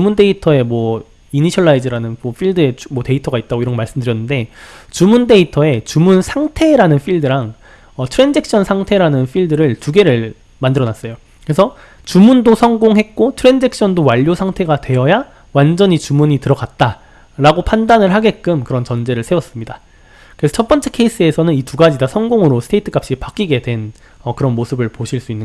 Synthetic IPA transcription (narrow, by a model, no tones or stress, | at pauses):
t͡ɕumunde̞itʰʌe̞mwʌ | iniɕʰʌɭːaid͡ʑɯɾanɯnmʌɸʰiɭdɯe̞mwʌte̞itʰʌɡait̚t͈aɡoiɾʌŋɡmaɭs͈ɯmdɯɾjʌnːɯnde̞t͡ɕumunde̞itʰʌe̞t͡ɕumunsʰaŋtʰe̞ɾanɯnɸʰiɭdɯɾaŋ | ʌtʰɯɾe̞nd͡ʑek̚ɕ͈ʰʌnsʰaŋtʰe̞ɾanɯnɸʰiɭdɯɾɯɭt͡ɕuɡe̞ɾɯɭ | mandɯɾʌnas͈ʌjo | kɯɾesʰʌ | t͡ɕumundosʰʌŋɡoŋɦe̞k̚k͈otʰɯɾe̞nd͡ʑek̚ɕ͈ʰʌndowaʎːjosʰaŋtʰe̞ɡatwe̞jʌja | wand͡ʑʌɲit͡ɕumuɲitɯɾʌɡat̚t͈a | ɾaɡopʰandanɯɭɦaɡe̞k͈ɯmkɯɾʌnt͡ɕʌnd͡ʑe̞ɾɯɭsʰe̞wʌs͈ɯmɲida | kɯɾesʰʌt͡ɕʰʌt̚p͈ʌnt͡ɕ͈ʰe̞kʰe̞is͈ɯe̞sʰʌnɯnituɡad͡ʑidasʰʌŋɡoŋɯɾosʰɯ̥tʰeitʰɯkʰap̚ɕ͈ipak͈iɡe̞dwe̞n | ʌkɯɾʌnmosʰɯbɯɭpoɕʰiɭs͈uinːɯn